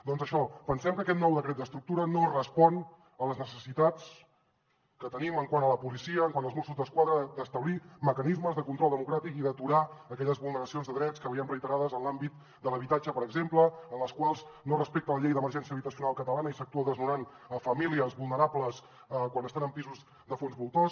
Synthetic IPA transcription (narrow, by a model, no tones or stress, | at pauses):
d̪ɔnzəʃɔpənsɛmkəːkɛt̪nɔwðəkɾɛt̪̚d̪əst̪ɾuk̚t̪uɾənorəspɔn | ələznəsəsit̪at͡s | kət̪əniməŋkwanələpulisiəːŋkwanəlˠzmɔsuzðəskwaðɾəd̪əst̪əβliməkənizməzðəkunt̪ɾɔlˠd̪əmukɾat̪ikiðət̪uɾaəkɛʎəzβulˠnəɾəsionzðəðɾɛt͡skəβiənrɾəijt̪əɾaðəzənlˠambit̪̚ | d̪ələβ̞it̪ad͡ʒəpəɾəɡzempləənləskwalˠznorəspek̚t̪ələʎejðəməɾʒɛnsiəβit̪əsiunalˠkət̪əlanəisək̚t̪uəðəznunan | əfəmiliəzβulˠnəɾapləs | kwanəst̪anəmpizuz | d̪əfonzβulˠt̪ɔs